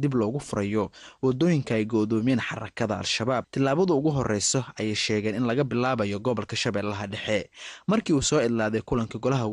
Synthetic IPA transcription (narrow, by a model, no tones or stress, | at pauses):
d̪ɪblɔːɣʊfʊɾɐjɔwɑd̪ːɔːjɪŋkʰɐɛjɡɔðɔːmɛːnħɑ̰rɐ̰kʰɐðɐa̰lʃɐβaːb̚t̪ʰɪlːaːβɐðɐʊɣʊɦɔrɛjsɔɐjɛjʃɛːɣɛːnɪnlɐɣɐbɪlaːβɐjɔɡɔβɐlkʰɐʃɐβɛːlːɐɦɐɖɛħɛmɐrkʰiːuːsɔːɪd̪laːðɛjkʰʊlɐŋkʰɐɡɔlɐɦɐ